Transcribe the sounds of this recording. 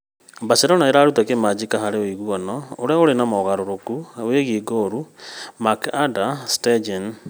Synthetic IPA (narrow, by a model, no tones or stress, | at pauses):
baseɾonaiɾaɾut̪akemad͡ʒikaɦaɾewiɣuonoːɾɛoɾenamoɣaɾoɾokuweːɣiɡoɾumakadasted͡ʒen